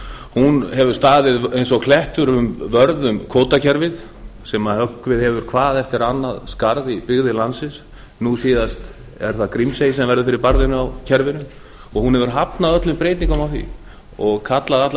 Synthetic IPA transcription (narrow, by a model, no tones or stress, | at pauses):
hunhɛvʏ̥st̪aːðɪðejns̬ɔɣkʰlɛht̪ʏɾʏmvœɾðʏmkʰoːwt̪acʰɛɾvɪð | sɛmahœkːvɪðhɛvʏɾ̥kʰvaːðɛft̪ɪɾanːaðskaɾðipɪɣðɪlansɪs | nusiːðast̪ | ɛ̰ɾ̥θakɾimsejsɛmvɛɾðʏfɪɾɪɾpaɾðɪnʏawcʰɛɾvɪnʏ | ɔɣhunhɛvʏɾɦapnaðœt̪lʏmpɾeːjt̪niŋkʏmawθḭ | ɔɣkʰat̪laðat̪l